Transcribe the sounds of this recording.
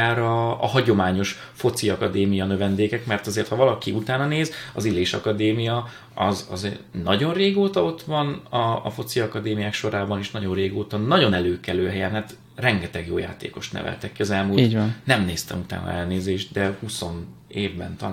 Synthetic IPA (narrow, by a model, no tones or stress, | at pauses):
ɛɾɒːɦɒɟo̞maːɲo̞ʃ | fo̞t̪siɒkɒd̪eːmijɒnø̞vɛnd̪eːkɛkmɛrt̪ɒzeːrt̪hɒvɒlɒkiut̪aːnɒneːzɒ̰zileːʃɒ̰kɒd̪eːmijɒ | ɒ̰zɒ̰znɒɟo̞nreːɡoːt̪ɒo̞t̪ʋɒnɒːfo̞t̪siɒkɒd̪eːmijaːkʃo̞ɾaːbɒneːʃnɒɟo̞nreːɡoːt̪ɒnːɒɟo̞nɛløːkɛløːɦɛjɛnɦɛt̪ | rɛŋɡɛt̪ɛɡjo̰ːja̰ːt̪ḛːko̞ʃt̪nɛ̰vɛ̰lt̪ɛkːiɒzɛlmuliːɟnnɛmneːst̪ɛ̰mut̪a̰ːnɒ̰ɛlneːzeːʒt̪̚d̪ɛhuso̞n | eːvbɛ̰nt̪ɒ